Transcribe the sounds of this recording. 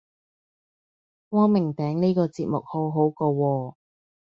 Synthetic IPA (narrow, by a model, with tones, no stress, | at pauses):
wɔː˥mɪ˨˩ŋt̪ɛː˨˥ŋniː˥kɔː˧t͡siː˧t̚mʊ̰˨k̚ho˨˥wɦo˨˥wkoː˧wɔː˧